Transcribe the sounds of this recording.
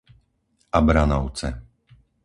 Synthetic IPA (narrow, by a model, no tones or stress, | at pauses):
ʔabɾanɔʊt͡sɛ̰